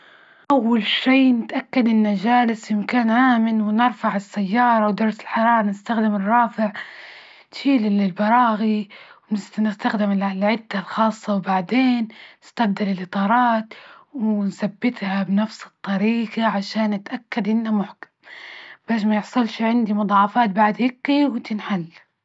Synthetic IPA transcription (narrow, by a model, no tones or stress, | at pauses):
ʔawːalʃiːnɪt̪ʔakːad̪ɪnːad͡ʒaːlɪsjɪmkaːnʕaːmɪnwɪnɪɾfaʕɪsːajːɑːɾˤɑwd̪ɑɾˤsɪ̥lħɑɾˤɑːɾˤɑnɪst̪axd̪ɪmɪrˤːɑːfɪʕ | t̪ʃiːlɪlɪlbɑɾˤɑːɣiwnɪst̪nɪst̪axd̪ɪmɪlɪlʕɪd̪ːalxɑːsˤːɑwbaʕd̪eːnːɪst̪afd̪alɪlʔɨt̪ˤɑːɾˤɑːt̪wɪnsabːɪt̪habnafsɨ̥t̪ˤːɑɾiːɡaʕaʃaːnːɪt̪ʔakːad̪ʔɪnːamʊħkḁmb̥aːʃ̬majɪħsˤʊlʃʕɪnd̪imʊd̪ˤɑːʕɑfɑːt̪̚baʕd̪hɪkːiwt̪ɪnħalː